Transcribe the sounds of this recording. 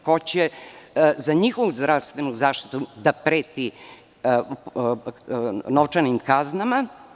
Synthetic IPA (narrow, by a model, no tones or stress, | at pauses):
kot͡ɕe | zaɲixo̞ʋuzd̪ɾaʋst̪ʋe̞nuzaːʃt̪i̥t̪ud̪apɾeːt̪i | noʋt͡ʃanimkaznama